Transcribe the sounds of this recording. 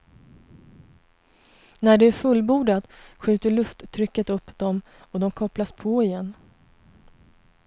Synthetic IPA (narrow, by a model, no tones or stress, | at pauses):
næɖɛæɾfɵlːbuːɖat̪ɧʉ̟ːt̪əɭɵft̪ʰːɾʏkːət̪ɵpːd̪ɔm | ɔd̪ɔmkʰɔplaspʰɔɪjɛnː